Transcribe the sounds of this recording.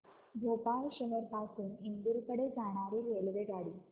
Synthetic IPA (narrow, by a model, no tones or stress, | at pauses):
ɡ̪ʱopalɕəʋəɾpasuːnind̪uɾkəɽed͡zaɽ̃aɾiːɾelʋeɡaɽiː